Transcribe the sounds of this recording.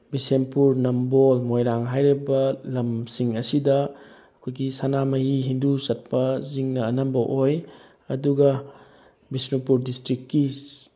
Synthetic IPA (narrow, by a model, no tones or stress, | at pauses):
bisempuɾnɐmbolmojɾaŋɦajɾibɐlɐmsiŋɐsidɐ | ɐkʰojɡisanamɐɦiɦindusɐt̚pɐziŋnɐːnɐmbɐʔoj | ɐduɡɐ | bisnupuɾdistɾikkːi